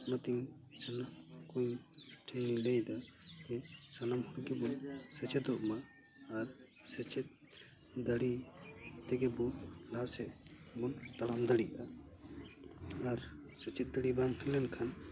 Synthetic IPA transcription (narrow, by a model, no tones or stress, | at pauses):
nat̪iŋsanakujnʈʰinːilɛjd̪akɛsanamhuɽɡɛbunsɛt͡ʃʰɛt̪ɔʔmaː | ɾ | sɛt͡ʃʰɛt̪̚ | d̪aɽit̪ɛɡɛbulasɛʔbunt̪alamd̪aɽiʔʔa | aɾsɛt͡ʃʰɛt̪̚d̪aɽibaŋhʰɛlɛnkʰan